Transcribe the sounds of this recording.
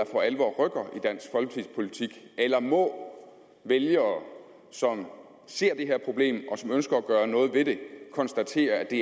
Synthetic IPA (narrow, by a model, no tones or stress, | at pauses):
ɑfɒælʋɒ̰ːʁœɡ̥ɐid̥æn̰sɡ̥fɒ̽lɡ̥ə̥t͡sʰið̰ˠspʰo̝lit͡sʰiɡ̥elɐmɔ̽ | ʋeljɐ | sɒ̽m | se̝ɐ̰d̥e̝ɦeɐ̰pʰʁo̝b̥le̝̰ːmɒ̽sɒ̽mønsɡ̥ɐæɡ̥ɶːɐnɔ̽ːð̞̩ˠʋe̝d̥e̝kʰɒ̽nsd̥æt͡sʰe̝̰ːɐæd̥e̝